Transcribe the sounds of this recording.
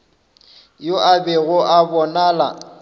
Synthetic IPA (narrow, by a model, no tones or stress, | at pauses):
joʔabɛɣʊʔabɔnaːla̰